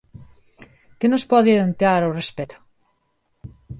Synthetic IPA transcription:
kenospɔðeeðent̪aɾawrespet̪o̥

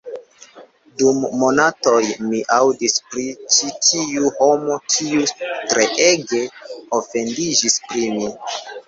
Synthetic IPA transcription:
dumːo̞nato̞jmiʔawdispɾit͡ʃitʰiuho̞mo̞tʰiutɾe̞ʔe̞ɡe̞ofe̞ndid͡ʒispɾimi

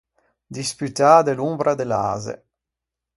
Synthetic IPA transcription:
d̪ispyt̪aːd̪elumbɾad̪ela̰ːzḛ

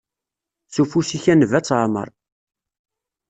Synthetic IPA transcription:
sufusiçænvæt͡sːʕmə̰ɾˤ

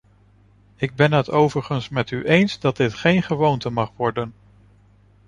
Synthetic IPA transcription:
ɪɡ̚bɛnɦətowvəɹχənsmɛtyʔejnzdɑd̚dɪtχejnχəʋowntəmɑχʋɔɹdən

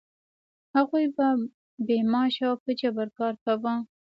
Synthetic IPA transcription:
haɣujba | bemɑʃawpət͡ʃabaɾkɑɾkawə

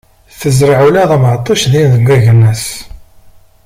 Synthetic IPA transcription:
θəzɾəʕulæðæmʕt̪ˤːɑʃðinðəɡæʝənːæs

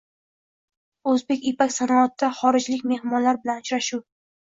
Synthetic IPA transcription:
ɵzbe̞kʲepakʲsanɒːt̪ːaχɒɾɪd͡ʒlɪkʲme̞hmɒnlaɾbɪlanʊt͡ʃɾaʃuw

